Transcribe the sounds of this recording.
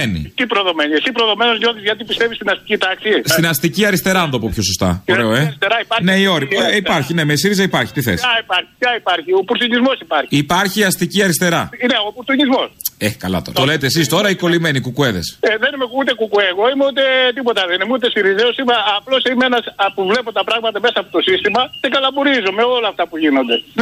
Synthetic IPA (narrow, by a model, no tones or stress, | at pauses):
enḭt̪ipɾoðo̞meniesipɾoðo̞me̞nozɲo̞θizʝɐt̪ipist̪e̞vist̪inɐst̪i̥cit̪ɐksist̪inɐst̪iciɐɾist̪e̞ɾɐɐnd̪opopçosost̪ɐ̰oɾeoeist̪eɾɐipɐɾneio̞ɾiipɐɾçine̞mes̬iɾizɐipɐɾçi̥t̪iθḛsaipɐɾçi̥çaipɐɾçio̞puɾt̪uɲizmo̞sipɐɾçipɐɾçiɐst̪iciɐɾist̪e̞ɾɐineopuɾt̪uɲizmo̞sekɐlɐ̰t̪oɾɐt̪ole̞t̪eːs̬ist̪o̞ɾɐiko̞lime̞nikukue̞ðḛseðenimekut̪ekukueɣo̞imeut̪et̪ipo̞t̪ɐðenimut̪esiɾizeosimɐːplo̞simeenɐspuvle̞pot̪ɐpɾɐɣmɐt̪ɐmesɐːpot̪o̞sist̪imɐcekɐlɐbuɾizomeo̞lɐːft̪ɐpuʝino̞nd̪e̞